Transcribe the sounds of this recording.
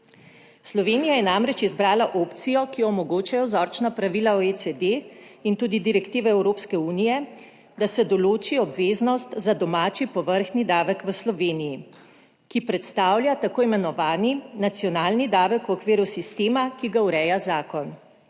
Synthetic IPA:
slɔʋeːnijajɛnamɾɛt͡ʃizbɾaːlaʔoːpt̪sijɔkiɔmɔɡoːt͡ʃajɔzɔɾt͡ʃnapɾaʋilaɔesɛd̪eint̪uːd̪id̪iɾɛkt̪iːʋɛɛwɾoːpskɛuːnijɛ | d̪asɛd̪ɔloːt͡ʃiɔbʋeːznɔst̪zad̪ɔmaːt͡ʃipɔʋəɾxnid̪aːʋəkʋəslɔʋeːniji | kipɾɛt̪st̪aːwlʲjat̪akoːimɛnɔʋaːninat̪siɔnaːlnid̪aːʋəkwɔkʋeːɾusist̪eːmakiɡauɾɛːjazaːkɔn

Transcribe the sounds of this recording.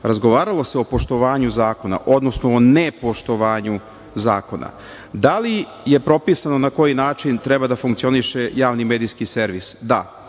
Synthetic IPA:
ɾazɡoʋaːɾalˠo̞seo̞po̞ʃt̪o̞ʋaːɲuzaːko̞na̰ʔo̞d̪no̞snoːnepo̞ʃt̪o̞ʋaːɲu | zaːko̞na̰ | d̪ali | je̞pɾo̞pisano̞nako̞jinaːt͡ʃint̪ɾɛbad̪afuŋkt̪io̞niʃe̞jaːʋnimeːd̪ijskiseɾʋisd̪a

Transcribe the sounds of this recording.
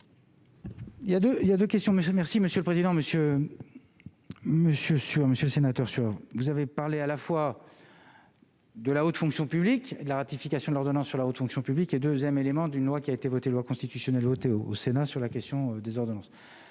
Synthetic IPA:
iljad̪øiljad̪økʲɛst̪jɔ̃mmɛʁsiməsjøləpχezid̪ɑ̃məsjø | məsjøsyaməsjøləsenat̪œʁsyavuzavepaʁlealafwa | d̪əlaot̪fɔ̃ksjɔ̃pybliked̪əlaʁat̪ifikasjɔ̃d̪lɔʁd̪ɔnɑ̃sːyʁlaot̪fɔ̃ksjɔ̃pybliked̪øzjɛmelemɑ̃d̪ynlwakʲiaet̪evɔt̪elwakɔ̃st̪it̪ysjɔnɛlvɔt̪eoo̰senasyʁlakʲɛst̪jɔ̃ød̪ezɔʁd̪ɔnɑ̃s

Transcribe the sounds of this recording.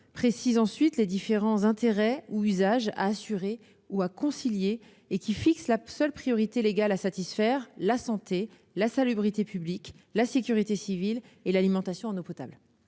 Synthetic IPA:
pχesizɑ̃sɥit̪led̪ifeʁɑ̃zɛ̃t̪eʁɛuyzaʒa̰ːsyʁe | uakɔ̃siljeː | kʲifikslasœlpχijɔʁit̪eleɡʲalasat̪isfɛʁlasɑ̃t̪e | lasalybʁit̪epybliklasekʲyʁit̪esivilelalimɑ̃t̪asjɔ̃ɑ̃nopɔt̪a̰bl

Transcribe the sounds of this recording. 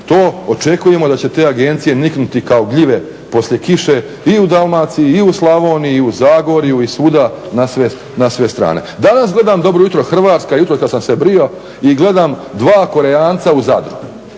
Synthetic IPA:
t̪oːot͡ʃe̞kuje̞mo̞d̪at͡ɕe̞t̪e̞ːaɡe̞nt̪sije̞niknut̪ikao̞ɡʎiʋe̞ | po̞sʎʲje̞kiʃe̞ | iud̪alˠmaːt̪siiːuslˠaʋoːniiuzaːɡoɾijuisuːd̪anasʋe | nasʋe̞st̪ɾa̰ːne̞̰d̪anasɡle̞d̪aːmd̪o̞bɾojut̪ɾoxr̩ʋaːt̪skajut̪ɾokad̪samsebɾio̞ | iɡle̞d̪aːmd̪ʋaːko̞ɾeaːnt̪sauzad̪ɾuɡu

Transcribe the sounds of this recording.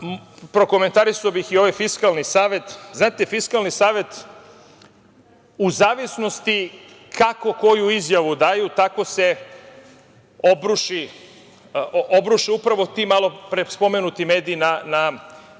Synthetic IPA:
pɾo̞ko̞me̞nt̪aɾisaobixio̞ʋajfiskalˠnisaːʋe̞t̪znaːt̪efiskalnisaːʋe̞t̪ | uzaːʋisnost̪i | kʰako̞ko̞juizjaʋud̪aːjut̪ako̞se | o̞bɾuʃi | obɾuʃiupɾaʋo̞t̪imalˠo̞pɾespo̞me̞nut̪ime̞ːd̪iːnana

